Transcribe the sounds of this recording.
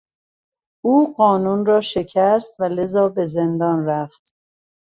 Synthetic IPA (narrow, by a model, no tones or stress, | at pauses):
ʔuːɢɒːnunrɒːʃe̞cʰæst̪væle̞zɒːbe̞zend̪ɒːnræft̪